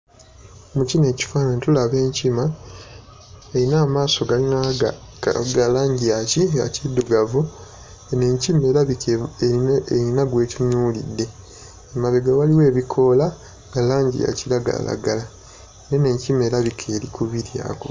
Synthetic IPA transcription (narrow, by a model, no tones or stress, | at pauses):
mucine̞ːci̥faːnantulaβe̞ːɲcima | eɾinaːmaːso̞ɡalina | ɡalaːɲɟijacia̰cidːuɡavu | neɲcime̞ːɾaβikʰeeieinaɡwe̞ːciɲuːlḭdːe̞ː | maβeɡawaliwe̞ːβikʰo̞la | ɡalaːɲɟḭa̰cilaɡa̰la̰ɡala | nene̞ːɲcime̞ːɾaβikʰeːlikʰuβiɾja̰ko